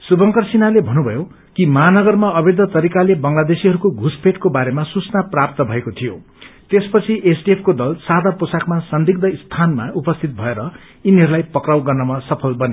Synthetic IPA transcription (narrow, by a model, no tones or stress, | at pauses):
subʌŋkʌrsinalebʱʌnubʱʌjo | kimʌɦanʌɡʌrmaʌbed̪ʱʌt̪ʌɾikalebʌŋlad̪esiɦʌɾukoɡʱuspʰeʈkobaɾemasut͡snaprap̚t̪ʌbʱʌekot̪ʰijo | t̪espʌt͡sʰiʔesʈiepʰkod̪ʌlsad̪aposakmasʌnd̪ʱiɡ̚d̪ʌist̪ʰanma̰ʔupʌst̪ʰit̪̚bʱʌeɾʌ | iniɦʌɾulajpʌkrawɡʌrnʌmʌsʌpʰʌlbʌne